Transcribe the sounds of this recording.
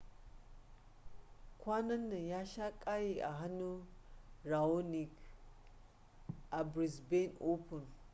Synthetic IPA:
kʷa˦nɐ˦nːɐ˨ja˦ʃa˦kʼa˦ji˨ʔa̰˨ɦa˦nu˦ | ɾa˨o˦ni˨k | ʔa˨bɾi˨sbe˦no˦pu˨n

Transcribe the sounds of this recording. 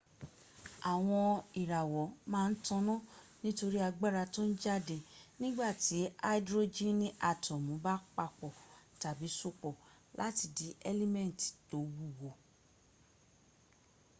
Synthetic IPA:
a˨w̃ɔ̃˧i˨ɾa˨wɔ˨˦mãː˦˧n̩˦tɔ̃˧nɔ̃˦ | nĩ˦to˧ɾi˦a˧ɡ͡ba˦ɾa˧tõ˦n̩˦d͡ʒa˦de˧nĩ˦ɡ͡ba˦˨ti˨˦a˦i˦dɾo˦d͡ʒĩ˦nĩ˦ʔa˨tɔ̃˨mũ˨˦ba˦k͡pa˧k͡pɔ˨ta˨bi˨˦so˦˨k͡pɔ˨ | lʔa̰˨˦ti˧˨di˨˦ɛ˦lɛ˦mɛ̃˦˨n˨ti̥˨to˨˦wu˦˨wo˨

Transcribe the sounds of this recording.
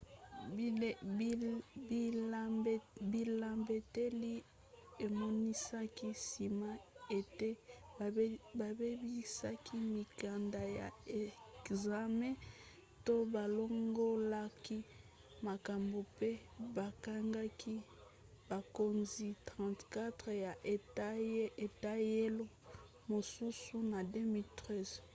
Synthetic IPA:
i˦ | bi˨la˨mbe˨te˦li˦ | e˨mɔ˦ni˦sa˦ki˦si˨ma˦e˨te˦ | ba˨be˦bi˦sa˦ki˦mi˨ka˨nda˨ja˨e˨kza˨mɛ̃˦ | to˦ba˨lo˦ŋɡo˦la˦ki˦ | ma˨ka˨mbo˨pe˦ba˨ka˦ŋɡa˦kʰi˦ | ba˨ko˨˦nzi˨tʁɑ̃˨ntka˦tʁja˨ʔe˨te˨ta˦je˦lo˦ | mo˨su˦su˦na˨de˦mi˦ltʁɛ˦˨z

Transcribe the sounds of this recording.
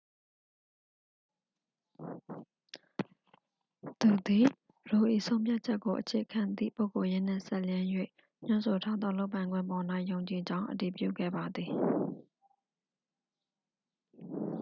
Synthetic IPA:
t̪u˨d̪i˨ | ɹo˨ʔḭ˦˨sʰõ˦ʊ̃mpʰja˦t̚t͡ɕʰɛ˦kːo˨ʔət͡ɕʰe˨ʔəkʰã˨nd̪ḭ˦˨po˦ʊko˨jɪ̃˦n̥ɪ̰̃˦˨sɛ˦˨ljɪ̃˦jwḛ˦˨ | ɲ̥ʊ̃˦˨nso˨tʰa˦d̪ðɔ̰˦˨lo˦ʊp̬ːã˨ɪ̃ŋɡwɪ̰̃˦˨mbɔ˨na˦ɪʔjõ˨ʊ̃ɲt͡ɕi˨d͡ʑã˦ʊ̃ʔəti˨pjṵ˦˨ɡɛ̰˦˨ba˨d̪ði˨

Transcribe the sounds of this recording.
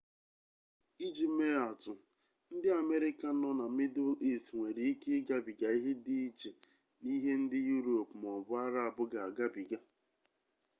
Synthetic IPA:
i˦d͡ʒi˦me˦a˨tʊ˨ | n̩˦dɪ˦a˨me˦ɾɪ˦ka˨˦nɔ˦na˨mi˦dʊ˦li˦stŋʷe˨ɾi˨i˦ke˦ɡa˦bi˨ɡa˨i˦ɦe˦dɪ˦i˦t͡ʃe˨ | ni˦ɦe˦n̩˦dɪ˦ju˦ɾo˨pm˨ɔ˨bʊ˦a˦ɾa˦a˨bʊ˦ɡa˨a˨ɡa˦bi˨ɡa˨

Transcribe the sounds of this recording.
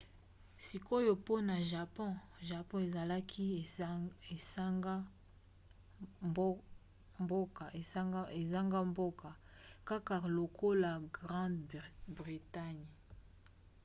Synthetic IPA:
si˨ko˦jo˨po˦na˨ʒa˨pɔ̃˦ʒa˨pɔ̃˦e˨za˨la˦kʰi˦˨e˨sa˦ŋɡa˦ | mb | mbo˦ka˨e˨˦ɡe˨za˦ŋɡa˦mbo˦ka˨ | ka˦ka˨lo˨ko˦la˨ɡʁɑ̃˦dbʁi˨ta˦ɲ

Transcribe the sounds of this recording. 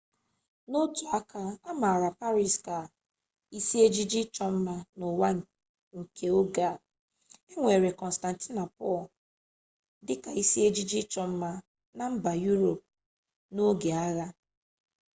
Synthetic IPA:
no˦tu˨a˦kʰa˦a˦ma˨ɾa˨pa˦ɾi˨ska˨ | i˦si˦e˦d͡ʒi˦d͡ʒi˦t͡ʃɔ˦m̩˦ma˦no˨wa˦ŋ̩˨ | ŋ̩˨kʰe˦o˦ɡa˦˨ | e˦ŋʷe˨ɾe˨kɔ˨n̩˨sta˨n˨ti˦na˨pɔ˦˨l | dɪ˦ka˨i˦si˦e˦d͡ʒi˦d͡ʒi˦t͡ʃɔ˦m̩˦ma˦ | na˨m̩˦ba˨ju˦ɾo˨p̚ | no˦ɡe˨a˦ɣa˦

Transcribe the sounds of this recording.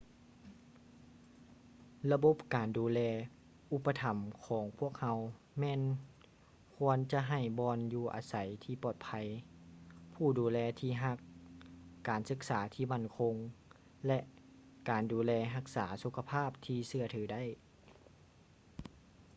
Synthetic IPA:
la˧bo˧˥p̚kaː˨˩nduː˨˩˦lɛː˧ | ʔu˧˥pːa˧t̪ʰa˨˩mkʰɔː˨˩˦ŋpʰu˥˩ək̚ha˧w | mɛː˧˥n | kʰu˧ənt͡ɕa˧ʔɦa˧˩jbɔː˧njuː˧ʔa̰ː˨˦sa˨˦jt̪ʰiː˧˩pɔː˧˩t̪̚pʰa˧˦j | pʰuː˧˩duː˨˦lɛː˧t̪ʰiː˧˩ɦa˧˥kː | aː˨˩nsɯ˧˥k̚saː˩˦t̪ʰiː˧˩ma˧˥˩nkʰo˧ŋ | lɛ˧ʔ | kaː˨˩nduː˨˦lɛː˧ɦa˧k̚saː˩˦su˧˦kʰa˧pʰaː˥˩p̚t̪ʰiː˧sɯ˧˩ɐt̪ʰɯː˩˦da˥˩˨j

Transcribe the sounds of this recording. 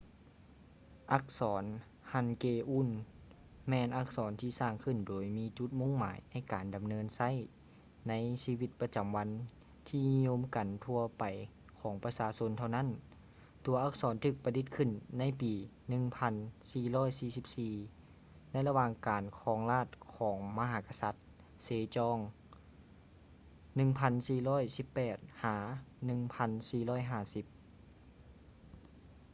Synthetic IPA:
ʔa˧˥k̚sɔː˩˦n | ha˧˩nkeː˧ʔuː˧˥˨n | mɛː˧nʔa˧˥˩k̚sɔː˩˦nt̪ʰiː˧˩saː˧˩ŋkʰɯ˧˩ndoː˨˩jmiː˧˥t͡ɕu˧˥t̪̚mo˧˥˨ŋma̰ː˨˦jna˧˥˩jkaː˨˩nda˨˩mnɤː˧˥nsa˧˥˩j | na˧˥jsiː˧wi˧t̪̚pa˧t͡ɕa˨mʋa˧˥n | t̪ʰiː˧ni˧ɲo˧˥˨mka˨nt̪ʰu˧ɐpa˨˩j | kʰɔː˩˦ŋpa˧saː˧˥so˧˥nt̪ʰa˧wna˦˥˨n | t̪u˨˩ɐʔa˧˩k̚sɔː˨˦nt̪ʰɯː˧˩k̚pa˧di˧˥t̪̚kʰɯ˧˩˨nːa˧˥˨jpiː˨˩ | nɯ˧ŋpʰa˧˥nsiː˧˩lɔː˥˩˨jsiː˧˩si˧˦p̚siː˧ | na˧˥˨jla˧waː˧˩ŋkaː˨˩nkʰɔː˨˦ŋlaː˧˥˩t̪̚kʰɔː˩˦ŋma˧ɦaː˨˧˦ka˧sa˧˦t̪̚ | seː˨˧t͡ɕɔː˧˥ŋ | nɯ˧ŋpʰa˧˥nsiː˨˩lɔː˧˥˨jsi˧˦pːɛː˨˩t̪̚haː˨˦nɯ˧˨ŋpʰa˧˥nsiː˧˩lɔː˧˥˩jɦaː˧˩si˧˦p̚

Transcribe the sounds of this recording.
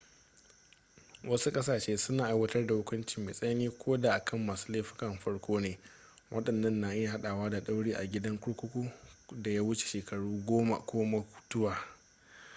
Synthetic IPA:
wɐ˦su˦kʼɐ˦saː˨ʃeː˦sʊ˦naː˨ʔa˨˦jwɐ˦tɐ˦rda˨hʊ˦kʷʊ˦nt͡ʃɪ˨mːa̰˨sʼɐ˦jniː˦kʷʰoː˦da˨ʔa˨kʰɐ˦˨mːaː˨su̥ː˦leː˦ɸɪ̥˦kɐ˨mɸɐ˦ɽkʷoː˦neː˨ | wʔɐ˦ɗɐ˨nːɐ˦nːa˨ʔɪ˦ja˨ɦa˦ɗaː˨waː˦da˨ɗa˦wɽiː˦ʔa̰˨ɡʲɪ˦dɐ˦ŋkʷʊ˦ɽkʷʊ˦kʷu˦da˨ja˦wʊ˦t͡ʃe̥˨ʃeː˨kʰɐ˨ɽuː˦ɡʷoː˦ma̰˨kʷʰoː˦ma˦kʊ̥˦tʊ˦waː˨

